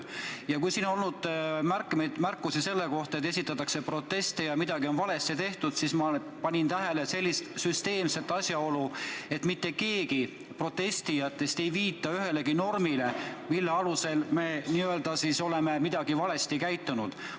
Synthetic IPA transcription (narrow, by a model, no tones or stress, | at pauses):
jɑkujsiːno̞lnud̪̥mærkːmejd̪̥mærkːˑusise̞lːeko̞ht̪ɑet̪ːˑesit̪ːˑɑt̪ːˑɑkse̞pro̞t̪ːe̞st̪ejɑmid̪̥ɑɡ̥io̞nvɑle̞st̪it̪e̞ht̪ud̪̥sismɑ | pɑnʲint̪æɦe̞le̞se̞lʲːist̪syst̪e̞ːmse̞t̪ːˑɑsʲjɑo̞lue̞t̪ːˑmit̪ːe̞ke̞ːɡi | pro̞t̪ːe̞st̪ijɑt̪ːˑe̞st̪e̞jviːt̪ːˑɑyɦe̞le̞ɡino̞rmilemilːeɑluse̞lme̞ːniːøld̪ɑsiso̞le̞me̞mid̪̥ɑɡ̥ivɑle̞st̪ikæjt̪ːˑunud̪̥